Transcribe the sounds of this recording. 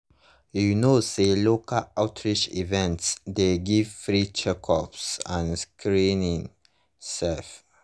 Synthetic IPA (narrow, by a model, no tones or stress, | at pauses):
junosdelokəaʊtʰɹit͡ʃivɛ̃ntsdeɡivfɹit͡ʃɛkʰɔpsãnskʰɹĩnĩŋ | sɛf